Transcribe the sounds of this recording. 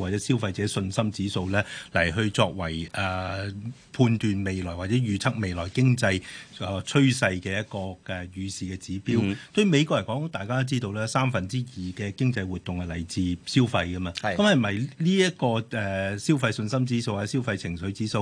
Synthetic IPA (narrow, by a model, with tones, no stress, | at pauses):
waː˨t̚t͡sɛː˨˥si˥wfɐ˧jt͡sɛː˨˥sɵ˧nsɐ˥mt͡siː˨˥so˧wlɛː˥lɐ˨˩jɦɵ˧t͡sɔː˧k̚wɐ˨˩jʔɐ˨˩ | pʰuː˧nt̪yː˨nme˨jlɔː˨˩jwaː˨t̚t͡sɛː˨˥ɥyː˨˧t͡sʰɐ˥k̚me˨˧jlɔː˨˩jkɪ˥ŋt͡sɐ˧jt͡sʰɵ˥ɥsɐ˧jkɛː˧jɐ˥t̚kɔː˧ɛː˨jyː˨˧siː˨kɛː˧t͡siː˨˥piː˥wt̪ɵ˧ɥme˨˧jk̬ɔː˧kjɐ˨˩nkɔː˨˥ŋt̪aː˨jkaː˥d̪t͡siː˥t̪o˧wlɛː˥saː˥mfɐ˨nt͡siː˥jiː˨kɛː˧kɪ˥ŋt͡sɐ˧jwuː˨˩t̪̚ʊ˨ŋhɐ˨˩lɐ˨˩jt͡siː˨˧siː˥wfɐ˧jkɐ˥maː˧kɐ˨˥mhɐ˨mmɐ˨˩jliː˥jɐ˥t̚kɔː˧ɛ˨siː˥wfɐ˧jsɵ˧nsɐ˥mt͡siː˨˥so˧wa˨ɛ˦˥siː˥wfɐ˧jt͡sʰɪ˨˩ŋsɵ˨˥ɥt͡siː˨˥so˧w